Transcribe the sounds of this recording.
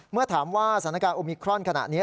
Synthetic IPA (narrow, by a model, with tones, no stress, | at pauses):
mɯ˥˩ɐt̪ʰaː˩˦mwaː˥˩sa˨˩˦na˧kaː˧nʔoː˧miː˧kʰɾɔ˥˩nkʰa˧na̰˨˩ʔniː˦˥